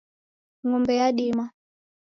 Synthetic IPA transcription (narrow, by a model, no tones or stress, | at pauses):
ŋɔmbɛjaɗima